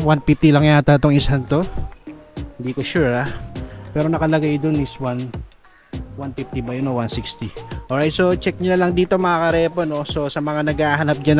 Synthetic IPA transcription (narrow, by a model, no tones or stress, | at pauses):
wanpɪft̪ilɐŋjat̪at̪oŋɪsant̪o̞ | hɪnd̪iːkoʃuɹapɛːɾo̞nɐkɐlɐɡajd̪onɪswan | wanpift̪ibɐjonowansɪkst̪iʔoɹajt̪̚so̞t͡ʃɛk̚ɲʊnɐlɐŋd̪iːt̪o̞mɐɐkɐɾɛːpono̞so̞sɐmɐŋanɐɡaːɦɐnɐp̚d͡ʒɐn